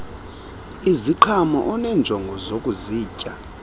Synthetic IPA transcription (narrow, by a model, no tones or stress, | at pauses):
iziǃʰamɔ̰ʔɔnɛnd͡ʒʱɔŋɡʱɔzokʼuziːcʼa